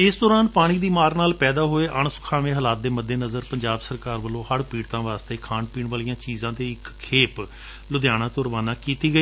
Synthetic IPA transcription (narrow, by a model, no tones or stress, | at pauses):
ɪsd̪ɔːɾaːnpaːɽ̃iːd̪iːmaːɾnaːlpɛːd̪aːɦoːeːʔəɳsʊ̥kʰaːʋẽːɦəlaːt̪̚d̪eːməd̪ːeːnəzəɾpəɲd͡ʒaːbsəɾkaːɾʋəlõːhəɽpiːɽt̪ãːʋaːst̪eːkʰaːnpiːɳʋaːlijãːt͡ʃiːzãːd̪eːɪkkʰːeːp | lʊd̪jaːɽ̃aːt̪ʊɾʋaːnãːkiːt̪iːɡəiː